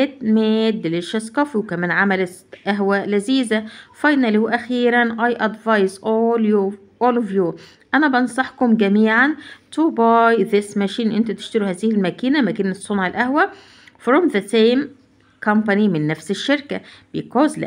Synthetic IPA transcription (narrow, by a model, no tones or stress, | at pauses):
et̪̚med̪ːeleʃæskɑfiwkæmæːnʕamælet̪ʔæɦwælæziːzæfɑjnæliwʔæxiːɾænʔɑjʔɑd̪vɑjsʔoljo | ʔolovjuː | ʔænæbɑnsˤɑħkomɡæmiːʕant̪ubɑjðɪsmæʃiːnʔent̪æt̪e̥ʃt̪eɾuhæːzɪhɪlmækiːnæmækiːnesˤːonʕalʔæhwæ | fɾomðæt̪ejm | kompanimɪnːæfseʃːeɾkæbejekoːzlæ̰ʔ